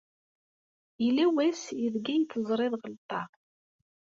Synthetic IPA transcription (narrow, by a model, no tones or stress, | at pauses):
ilːæwæsiðɡæjt͡s̪ːəzˤɾˤeðˤʁəlt̪ˤːɑ